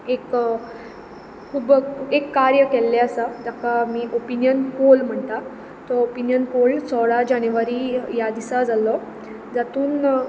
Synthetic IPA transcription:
ek | kʰuːbekːaɾjəkelːeəsəd͡zakamiːʔopinjənkolm̤əɳt̪a | t̪ɔopinjənkolt͡sʰɔɽad͡ʑañeʋaɾiːjad̪isad͡zalɔ | d͡zat̪uːn

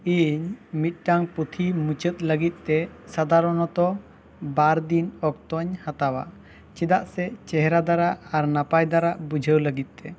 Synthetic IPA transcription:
iɲmit̪̚ˀʈaŋput̪ʰimut͡ʃət̪̚ləɡit̪̚ˀt̪ɛsad̪ʱaɾɔnɔt̪ɔ | baɾd̪inɔk̚t̪ɔɲhat̪awa̰ʔ | t͡ʃid̪aʔsɛt͡ʃɛɦɛɾad̪aɾaʔaɾnapajd̪aɾaʔbud͡ʒʱəwləɡit̪̚t̪ɛ

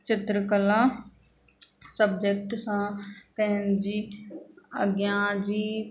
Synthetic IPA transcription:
t͡ʃɪt̪ɾəkəlaː | səb̚d͡ʒek̚ʈsãːp̪ɛ̃ɦnd͡ʒiː | ə̰ɡjãːd͡ʒiː

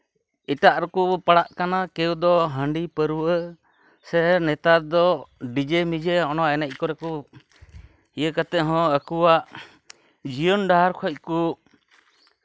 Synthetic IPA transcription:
iʈaʔɾɔkupaɽaʔkanakɛwd̪ɔɦəɳɖipəɾuwʔə | sɛnɛt̪aɾd̪ɔɖid͡ʒemid͡ʒɛɔnɔaɛnac̚ˀkɔɾɛkɔ | ijəkat̪ɛʔɦɔ̃əkuwaʔ | d͡ʒijɔnɖaɦaɾkʰɔc̚ku

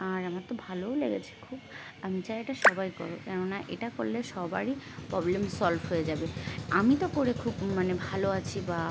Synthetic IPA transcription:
aɾamaɾt̪obʱaloleɡet͡ɕʰe̥kʰub | amit͡ɕajeʈaʃɔbajkɔɾokɛnonaʔḛʈako̰lːeʃɔbaɾipɾɔblemsɔlbʱɦojed͡ʑabeamit̪okoɾekʰubmanebʱaloat͡ɕʰiba

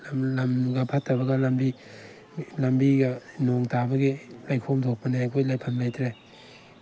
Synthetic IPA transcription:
llɐmɡɐpʰɐtːɐbɐɡɐlɐmbi | lɐmbiɡɐnoŋtʰabɐɡilajkʰomtʰok̚pɐnekʰojlajpʰɐmlajtʰɾe

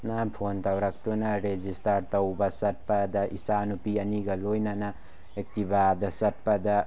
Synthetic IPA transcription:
napʰont̪awɾak̚t̪unaɾed͡ʒistaɾt̪ɐwbɐsɐt̚pad̪aʔisanupiɐniɡɐlojnana | ek̚t̪ibad̪ɐsɐt̚pɐd̪a

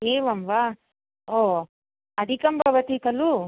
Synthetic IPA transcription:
eːʋɐmʋa | o | ɐd̪ʱikɐmbʱɐʋɐt̪ikɐlu

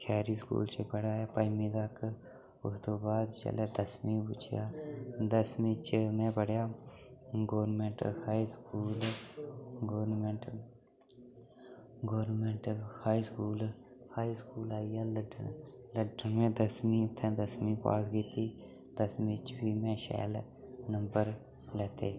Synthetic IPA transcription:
kʰaːɾiːskṵːlt͡ʃepəɽaːjaːpəjmĩːd̪aːk | ʊ̰st̪oːbaːd̪t͡ʃə̰leːd̪əsmĩːbʊ̰t͡ʃʰja̰ːd̪əsmĩːt͡ʃəmẽpəɽjaː | ɡoːɾnmeɳʈhaːiskuːl | ɡoːɾnmẽːɳʈ | ɡoːɾnmẽɳʈhaːiskuːl | haːiskuːlaːijaːləɖləɖəmẽːd̪əsmĩːʊt̪ʰːẽːd̪əsmĩːpa̰ːsɡiːt̪iː | d̪əsmĩːt͡ʃbiːmẽːʃɛ̰ːl | nəmbəɾ | lɛːt̪eː

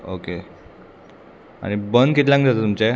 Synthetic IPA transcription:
oke | a̰ñibənd̪kit̪lãŋɡd͡zat̪ot̪umt͡ɕe

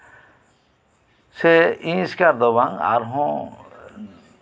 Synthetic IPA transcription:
seĩskaɾd̪ɔβaŋa̰ɾɦɔ̃

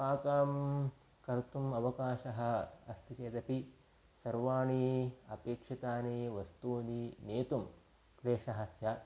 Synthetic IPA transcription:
paːkaːm | kɐɾt̪umɐʋɐkaːʃɐɦɐ̆ɐst̪it͡ʃeːd̪ɐpi | sɐɾʋaːɳiɐpeːkʂit̪aːniʋɐst̪uːnineːt̪um | pɾeːʂɐɦɐsjɐ

